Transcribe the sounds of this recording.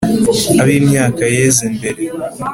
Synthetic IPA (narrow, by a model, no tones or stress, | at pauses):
aβiːmɲaːkajeːzimbe̞ɾe̞